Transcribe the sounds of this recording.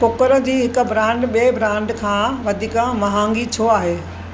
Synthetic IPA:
pʊkəɾə̆d͡ʑiːɦɪkʊ̆bʱɾãːɳɖɓiebʱɾãːɳɖkʰãːʋɐd̪ʱiːkəmɐɦãːŋɡit͡ɕʰoːaːɦeː

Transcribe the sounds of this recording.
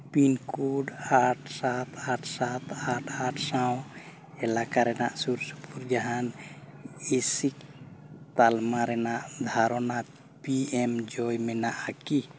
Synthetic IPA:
pinkuɖaʈʰsat̪ʰaʈʰsat̪aʈʰaʈʰsaw̃ | ɛlakaɾɛnaʔsuɾsu̥pʰuɾd͡ʒaɦan | esikt̪almaɾɛnaʔd̪ʱaɾɔna | piɛmd͡ʒɔjmɛnaʔaki

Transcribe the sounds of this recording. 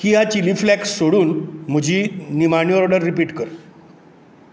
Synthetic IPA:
kiːɦat͡ɕiliflæksːoɽuːnm̤əd͡ʑʱiːnimaɳjoɾɔɖəɾːipiːʈkəɾ

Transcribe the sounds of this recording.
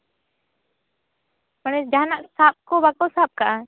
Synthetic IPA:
manɛd͡ʒaɦnaʔsap̚kɔbakɔsap̚kaʔa

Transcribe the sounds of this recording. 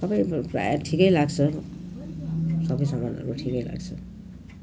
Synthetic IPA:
sʌbaj̃pra̰jaʈʰikʌjlaɡt͡sʰʌ | sʌbʌjsʌmbanʌ̰ɾuʈʰikʌjla̰ɡt͡sʰʌ

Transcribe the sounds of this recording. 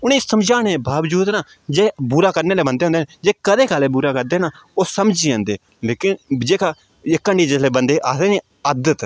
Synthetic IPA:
ʊñẽːsəmd͡ʒaːɽ̃ẽːbaːʋd͡ʒuːd̪naː | d͡ʒeːbuːɾaːkəɾneːleːbənd̪eːõnd̪eːed͡ʒeːkəd̪eːkaleːbuːɾaːkəɾd̪eːnaː | oːsəmd͡ʒiãːnd̪eː | leːkɪnd͡ʒeːkaː | ɪkːəɳɖiːd͡ʒesleːbənd̪eːʔaːseːneː | əd̪ət̪

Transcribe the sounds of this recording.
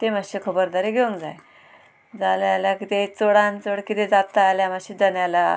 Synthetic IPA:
t̪emaɕekʰəbəɾd̪aɾeɡeũŋd͡za̰j | d͡zaljljakit̪et͡soɽãnt͡soɽkit̪ed͡zat̪aːljamaɕid͡zənjala

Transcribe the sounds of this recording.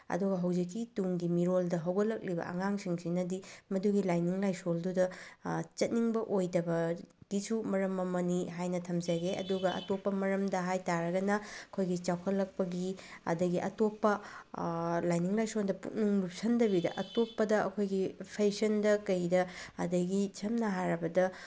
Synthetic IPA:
ɐ̰duɡɐɦɐwzikːituŋɡimiɾoldɐɦɐwɡɐlɐk̚libɐ̰ʔɐ̰ŋaŋsiŋsinɐdimɐduɡilajniŋlajsoldudɐt͡ʃɐt̚niŋbɐʔojdɐbɐɡ̥isumɐɾɐmːɐmɐniɦajnɐtʰɐmzɐɡeɐ̰duɡɐʔɐ̰topːɐmɐɾɐmdɐɦajtaɾɐɡɐnɐɐkʰojɡit͡ʃawkʰɐlːɐk̚pɐɡiɐ̰dɐɡiʔɐtopːɐ | lajniŋlajsondɐpṵt̚niŋlup̚sɐndɐbidɐ̰ʔɐtopːɐdɐʔɐ̰kʰojɡipʰejsɐndɐkɐjdɐɐ̰dɐɡit͡ʃʰɐmnɐɦaɾɐbɐdɐ

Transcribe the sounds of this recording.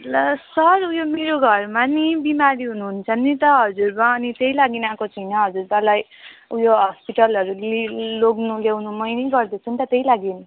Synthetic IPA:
ʌsʌɾujomeɾoɡʱʌrmanibimaɾiɦunuɦunt͡sʰʌnːit̪ʌɦʌd͡zurmaːnit̪ejlaɡinakot͡sʰʌjnʌɦʌd͡zuɾbalajujoɦʌspiʈʌlʌɾuliloɡnulewnumʌjnʌjɡʌrd̪et͡sʰunt̪ʌt̪ejlaɡeni

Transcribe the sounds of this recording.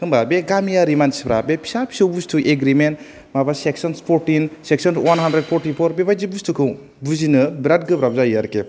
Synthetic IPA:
kʰɯŋbabeɡamijaɾimansbɾa̰bepʰi̥sapʰi̥sowbustʰuʔeɡɾiment | mabaseksɔnspʰoɾtinseksɔnswanɦandɾed̚pʰoɾʈipʰoɾbebajd͡ʒibustʰukʰɯw | buzinɯbɾat̚ɡɯbɾabzajaɾke

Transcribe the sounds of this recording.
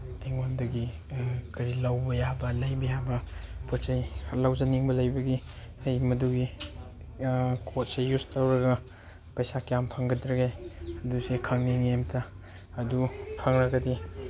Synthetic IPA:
deŋwondɐɡikɐɾilawbɐjabɐlɐjbɐjabɐpʰut͡ʃajlawzɐniŋbɐlɐjbɐɡi | ɐjmɐduɡi | kʰot̚sejustʰɐwɾɐɡɐ | pɐjsakjampʰɐŋɡɐdɾɐɡejɐdusekʰɐŋniŋemtʰaː | dupʰɐŋɾɐɡɐdi

